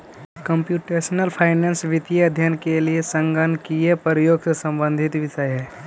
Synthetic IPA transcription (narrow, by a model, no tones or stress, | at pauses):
kə̃mpjuːʈeːʃnəlpʰaːɪnẽːnsʋɪt̪ijɐd̪ʱjənkeliesə̃ŋɡənkijepəɾəjoːɡsesɐ̃mbə̃nd̪ʱɪt̪ʋɪʃəjɦɛː